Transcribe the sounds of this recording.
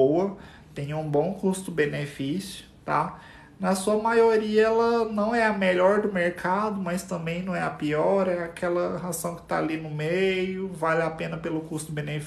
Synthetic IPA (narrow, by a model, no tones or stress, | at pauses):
owɐ | t̪ẽj̃ũbõkust̪ʊbẽnefisjʊ̥ | t̪a̰ | nɐsuɐmajoɾiɐɛlɐnɐ̃w̃ɛɐmeʎɔɾd̪ʊmeɾkʰad̪ʊmɐst̪ɐ̃mbẽj̃nɐ̃w̃ɛɐpiɔɾɛakʰɛlɐɦazɐ̃w̃kɪ̥t̪a̰linʊmejʊvalɪapẽnɐpelʊkust̪ʊbẽnef